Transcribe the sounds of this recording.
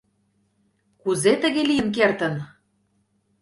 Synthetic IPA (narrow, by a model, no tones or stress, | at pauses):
kuzet̪ə̆ɣelijəmk̬ert̪ə̆n